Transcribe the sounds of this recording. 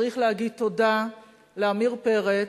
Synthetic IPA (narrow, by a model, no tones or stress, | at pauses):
ʁiχlehaɡid̪̚t̪o̞da | leamiʁpe̞ʁe